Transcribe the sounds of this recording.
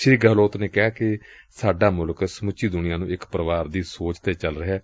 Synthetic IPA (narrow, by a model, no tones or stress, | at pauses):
ʃɾiːɡəːloːt̪neːkɪaːkɪ | saːɖaːmʊlksəmʊt͡ʃːiːd̪ʊnɪjãːnũːɪkpɾəʋaːɾd̪iːsoːt͡ʃt̪eːt͡ʃəlɾəɦɛː